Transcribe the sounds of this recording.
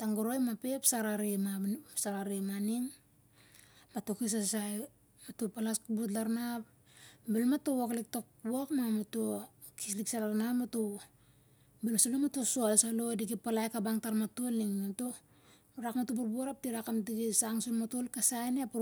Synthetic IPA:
taŋɡoɾojmape̞psaɾaɾimasaɾaɾimaniŋ | mato̞kis̬asaj | matopalaskubut̬laɾnap | belmatowoklik̚tokakmamato | kisliksalaɾnamato | bilmasanamatosualsalo̞diɡipalajkabaŋtaɾmatoliŋmato | ɾakmatobuɾbuaɾap̚diɾakamtiɡisaŋsonmatolkasajnep

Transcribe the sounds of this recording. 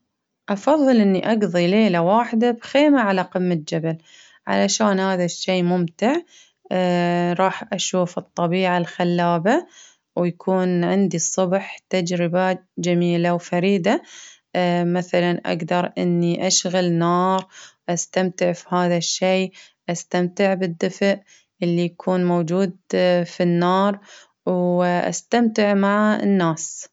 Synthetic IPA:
ʔɑfɑðˤːɨlʔɪnːiʔɑɡðˤileːlawaːħd̪abxeːmaʕalaqɨmːat̪̚d͡ʒabal | ʕa̰laʃaːnhaːðaʃːeːmʊmt̪ɪʕ | ɾˤɑːħʔaʃuːfɨt̪ˤːɑbiːʕalxalːaːba | wjakʰuːnʕɪnd̪isˤʊbħt̪ad͡ʒɾɪbad͡ʒamiːlawfaɾiːd̪a | maθalanʔa̰ɡd̪ɑɾˤʔɪ̰nːiʔaʃɣalnɑːɾˤʔast̪amt̪ɪʕfihaːðaʃːeː | ʔast̪amt̪ɪʕbɪd̪ːɪfʔ | ʔɪlːijakʰuːnmowd͡ʒuːd̪finːɑːɾˤ | wʔa̰st̪amt̪ɪʕmaʕa̰nːaːs

